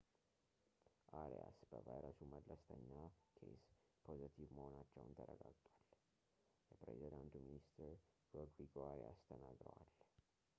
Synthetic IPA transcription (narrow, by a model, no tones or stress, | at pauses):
ʔaɾḛjasb̥əvajɾəsuməd̪ləst̪ʰənːakʰes | pʰo̞zət̪ʰivməho̞nat͡ʃːɛwnt̪ʰəɾəɡaɡt̪ʼwal | jɛpɾezid̪ant̪uminist̪ʰəɾɡoɡɾiɡoaɾast̪ʰənaɡɾə̰wal